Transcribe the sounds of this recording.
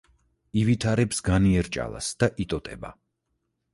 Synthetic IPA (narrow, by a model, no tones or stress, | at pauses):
ivit̪ʰaɾɛpsɡaniɛɾt͡ʃʼa̰la̰sd̪̥aʔit̪ʼɔt̪ʼɛba̰